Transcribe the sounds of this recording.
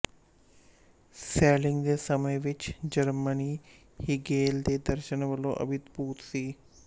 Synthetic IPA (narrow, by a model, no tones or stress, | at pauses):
sɛːlɪŋɡd̪eːsəmẽʋɪt͡ʃd͡ʒəɾməniː | hɪɡeːld̪eːd̪əɾʃənʋəlõ̰ːʔə̰bɪt̪buːt̪siː